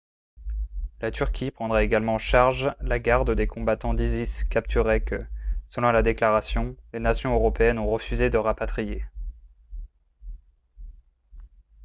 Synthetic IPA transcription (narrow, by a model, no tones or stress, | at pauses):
lat̪ʰyʁkʲipχɑ̃d̪ʁɛeɡalmɑ̃ʃaʁʒlaɡaʁd̪d̪ekʰɔ̃bat̪ɑ̃d̪iziskap̚t̪yʁɛkəsəlɔ̃lad̪eklaʁasjɔ̃lenasjɔ̃øʁɔpeɛnɔ̃ʁəfyzed̪əʁapat̪χije